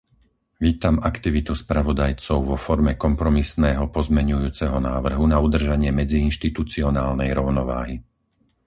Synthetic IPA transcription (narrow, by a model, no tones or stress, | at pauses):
ʋiːt̪amakt̪iʋit̪uspɾaʋɔd̪ajt͡sɔʊʋɔfɔɾmɛkɔmpɾɔmisnɛːɦɔpɔzmɛɲujuːt͡sɛɦɔnaːʋr̩ɦunaud̪r̩ʒaɲɪɛmɛd͡ziːnʃt̪it̪ut͡siɔnaːlnɛjɾɔʊnɔʋa̰ːɦi